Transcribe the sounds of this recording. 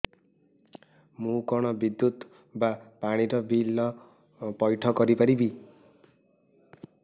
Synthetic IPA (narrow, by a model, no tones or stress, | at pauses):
mukɔɽ̃ʌbid̪jut̪ | bapaɽ̃iɾʌbilːʌ | pʌjʈʰʌɡʌɾipʌɾibi